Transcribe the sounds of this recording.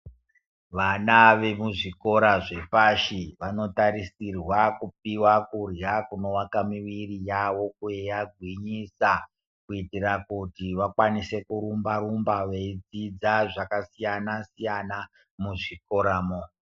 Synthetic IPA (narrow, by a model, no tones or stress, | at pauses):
ʋanaʋe̞muʐiko̞ɾaʐe̞faʃiʋano̞taɾisirwakup̚iwakurjakuno̞wakamiʋirijawo̞kuejaɡʱwiɲisa | kuitirakutiʋakwanise̞kuɾumbaɾumbaʋeid͡zid͡zaʐakasijanasijana | muʐiko̞ɾaːmo